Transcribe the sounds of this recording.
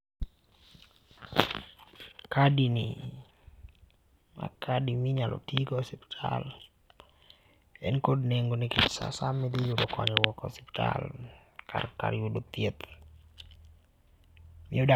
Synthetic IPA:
kadini | a̰kʰadimiɲalo̰t̪iɡɔsɛpi̥tʰal | ɛ̰nkodnɛŋɡonikitsa̰samːed̪ijudɔkɔ̰ɲɔwɔkɔ̰sɛ̥pta̰lkʰa̰rka̰ɾiudut̪ːiət̪ | mioda

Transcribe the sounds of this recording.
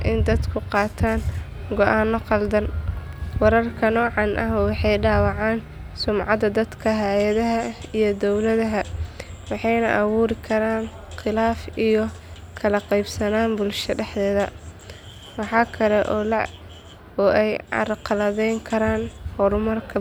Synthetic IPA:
ʔɪnd̪ɐd̪kʰʊqɑːt̪ʰaːn | ɡɔʔaːnːɔqɑld̪ɐnwɑɾɐrkʰɐnɔːʕɑnʔɐ̰ɦwɑħɑjɖaːwɑʕɑːn | sʊmʕɑd̪ɐd̪ɐd̪kʰɐɦaːjɐðɐɦɐijɔd̪ɔwlɐðɐɦɐwɑħɑjnɐʔɐwuːɾɪkʰɐɾaːn | qɪlaːfijɔ | kʰɐlɐqɑjbsɐnaːnbʊlʃɐɖɛħðɛːðɐ | wɑħɑːkʰɐlɛʔɔːlɐʕ | ɔːʔɛjɑ̰rqɑlɐðɛjŋkʰɐɾaːnhɔɾʊmɐrkʰɐ

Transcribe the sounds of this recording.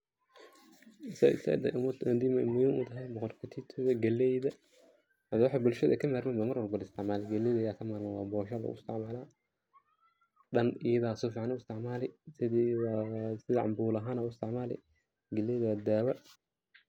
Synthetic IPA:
sa̰sa̰d̪̰ʔmd̪imɐɪmʊjʊnʊt̪ʰɐɦɛjbɔqɔlkʰɐt̪ʰiːt̪ʰɔðɐɡɐlɛjðɐ | ɐd̪wɑħabʊlʃɐðʔɛ̰kʰɐmaːrmɛnbamɐrwɐlbɐlɪst̪ʰɪʕmaːlɪɡɐlɛjðɐjaːkʰɐmaːɾmawɑːbɔːʃɐlɐ̰ʊɪ̰st̪ʰɪʕmaːla | ɗɐnɪjɐðaːsɔfiʕanɪst̪ʰɪʕmaːlɪsɪ | sɪðɐʕɑ̰mbuːlɐɦaːnaːʊɪst̪ɪʕmaːlɪ̰ | ɡɐlɛjðwad̪aːwɐ

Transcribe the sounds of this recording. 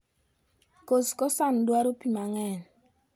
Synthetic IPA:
koskɔsandwaɾopimaŋɛn

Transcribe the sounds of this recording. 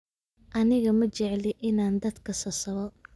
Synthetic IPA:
ʔɐnɪɣɐmɐt͡ʃɛʕlɪʔɪnaːnd̪ɐd̪kʰɐsɐsɐβɔ

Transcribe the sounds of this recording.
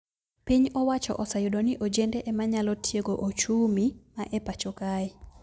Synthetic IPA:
piɲɔwat͡ʃɔ̰ʔɔsajudoniʔod͡ʒɛndɛʔɛmaɲalɔtjeɡoʔot͡ʃumimaʔɛpat͡ʃokaɪ

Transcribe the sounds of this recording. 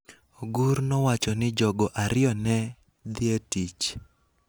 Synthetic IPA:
oɡuɾnɔwat͡ʃɔnɪd͡ʒɔɡɔʔaɾɪɔnɛ | d̪ɪetit͡ʃ

